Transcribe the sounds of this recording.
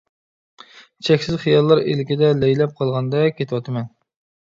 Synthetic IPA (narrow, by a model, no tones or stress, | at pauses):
t͡ʃʰɛkʲsɪzχijɑlˠːɑɾḛlkʲid̪ɛlɛjlɛp̚qʰɑlˠʁɑnd̪ɛkʲʰet̪ʰɪwɑt̪ɨmɛn